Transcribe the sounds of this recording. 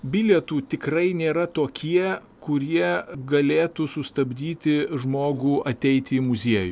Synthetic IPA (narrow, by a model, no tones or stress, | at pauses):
bʲɪlʲɛt̪uːt̪ʲɪkɾɐɪnʲeːɾɐt̪oːkʲiɛ | kʊɾʲiɛɡɐlʲeːt̪usʊst̪ɐbʲd̪ʲiːt̪ʲɪʒmoːɡuːɐt̪ʲɛɪt̪ʲiːmʊzʲiɛju